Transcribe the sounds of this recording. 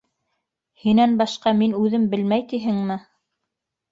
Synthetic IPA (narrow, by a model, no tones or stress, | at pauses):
hinænbɑʃqɑminʉðɘmbɘ̆lmæjt̪iɦɘŋmɘ